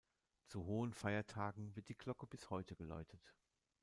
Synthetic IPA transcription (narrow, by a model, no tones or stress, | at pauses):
t͡suɦoːənfaɪɐtʰaːɡŋ̩vɪɐt̚d̥iːkl̥ɔkəbɪshɔʏtəɡəla̰ʏtʰət